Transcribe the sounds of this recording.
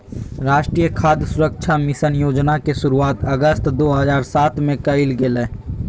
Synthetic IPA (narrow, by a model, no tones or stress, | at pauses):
ɾaːʃʈɾiːjəkʰaːd̪jəsʊɾəkʃʰamɪsənjoːd͡ʒnakesʊɾuaːt̪ɐɡəst̪d̪oːɦəzaːɾsaːt̪mẽkɐɪlɡelẽː